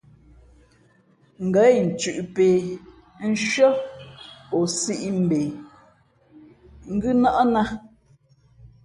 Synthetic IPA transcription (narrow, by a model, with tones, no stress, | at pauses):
ŋ̩˨ɡə˨˦˨n̩˨t͡ʃʉ˨ʔpe˨ | n̩˦ʃɥə˦ | ɔ˨si˦ʔi˦m̩˨be˨ | ŋ̩˦ɡʉ˦na˦ʔɔ˦na˦